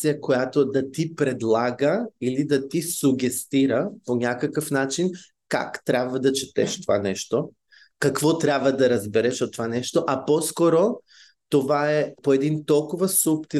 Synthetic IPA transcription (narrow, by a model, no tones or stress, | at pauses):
ijəkojat̪od̪ɐt̪ipɾɛd̪lˠaɡɐilid̪at̪isuɡɛst̪iɾɐponʲakɐkəfnat͡ʃin | ka̰kt̪ɾʲabvɐd̪ɐt͡ʃit̪ɛʃt̪ova̰nɛʃt̪o | kakvɔt̪ɾʲabvɐd̪ɐɾɐzbɛɾɛʃot̪ːovanɛʃt̪oʔapɔskɔɾo | t̪ovaɛpoɛd̪int̪ɔlˠkʊvɐsupt̪i